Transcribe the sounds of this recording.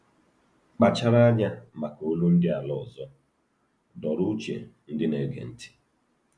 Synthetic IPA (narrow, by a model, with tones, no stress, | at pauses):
k͡pa˨t͡ʃa˦ɾa˦a˦ɲa˦ma˨ko˦lu˦n̩˦dɪ˦a˨lɔ˦˨zɔ˦ | dɔ˨ɾu˦t͡ʃḛ˨n̩˦dɪ˦ne˨˦ɡḛ˨n̩˦ti̥˦